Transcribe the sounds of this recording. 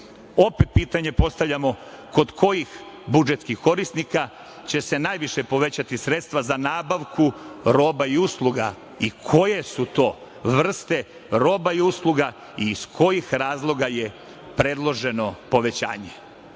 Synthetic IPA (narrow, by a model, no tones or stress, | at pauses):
o̞pe̞t̪̚piːt̪aɲe̞po̞st̪aʋʎʲamo̞ | ko̞d̪kʰo̞jix | bud͡ʒet̪skixko̞ɾisnika | t͡ɕe̞se̞najʋiʃe̞po̞ʋe̞t͡ɕat̪isɾe̞t̪st̪ʋazanaːbaʋkuɾo̞ːbaiuslˠuɡa̰ | ikʰo̞je̞sut̪o̞ː | ʋr̩st̪e̞ | ɾo̞ːbaiuslˠuɡa | iːskʰo̞jixɾaːzlˠo̞ɡaje̞ | pɾe̞d̪lˠo̞ʒe̞no̞po̞ʋe̞t͡ɕa̰ːɲe